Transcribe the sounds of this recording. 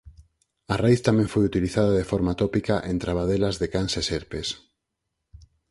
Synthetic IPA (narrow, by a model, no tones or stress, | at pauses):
arajθt̪amɛ̃ŋfojut̪iliθaðaðefɔɾmat̪opikaʔẽnt̪ɾaβaðelazðekanseseɾpes